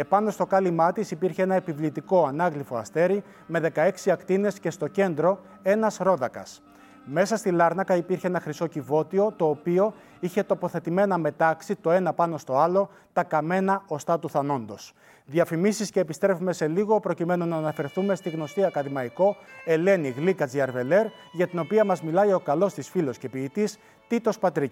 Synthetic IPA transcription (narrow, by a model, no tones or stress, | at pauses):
epɐno̞st̪o̞kɐlimɐt̪isipiɾçeenɐepivlit̪iko̞ɐnɐɣlifo̞ɐst̪e̞ɾi | me̞ðe̞kɐe̞ksiɐkt̪ine̞sce̞st̪o̞ce̞nd̪ɾo̞ | e̞nɐsɾo̞ðɐkɐs | me̞sɐst̪ilɐɾnɐkɐipiɾçeenɐxɾiso̞civo̞t̪io̞t̪o̞ːpio̞ | içe̞t̪o̞po̞θe̞t̪ime̞nɐme̞t̪ɐksit̪o̞e̞nɐpɐno̞st̪o̞ɐlo̞ | t̪ɐkɐme̞nɐo̞st̪ɐt̪uθɐno̞nd̪o̞s | ðiɐfimisisce̞ːpist̪ɾe̞fume̞se̞liɣo̞pɾo̞cime̞nonɐːnɐfe̞ɾθume̞st̪iɣno̞st̪iɐkɐðimɐiko̞e̞le̞niɣlikɐt͡siɐɾve̞le̞ɾ | ʝɐt̪ino̞piɐmɐzmilɐjo̞kɐlo̞st̪isfilo̞sce̞piːt̪is | t̪it̪o̞spɐt̪ɾici